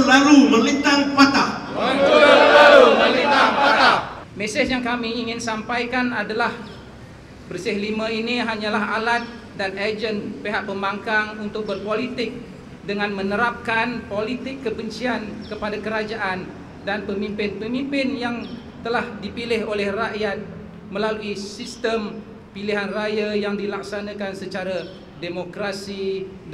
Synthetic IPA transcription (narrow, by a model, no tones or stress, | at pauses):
əlaɾuŋməlit̪aŋpat̪a | laɾuməlit̪aŋpaamesɪsjaŋkamiːŋɪnsampajkanadalah | bərsɪhlimãiniɦaɲãlaɦalat̪̚ | danad͡ʒənpeɦaʔpəmaŋkaŋunt̪ʊk̚bərpolit̪ɪk̚ | dəŋãnmə̃nəɾap̚kanpolit̪ɪkːəbəɲt͡ʃiankəpadakəɾad͡ʒaʔan | danpəmimpɪnpəmimpɪnjaŋ | t̪əlahdipilɪholɛhraʔjat̪̚ | mə̃laluisist̪əm | piliɦanrajajaŋdilak̚sanãkansət͡ʃaɾa | demokɾasi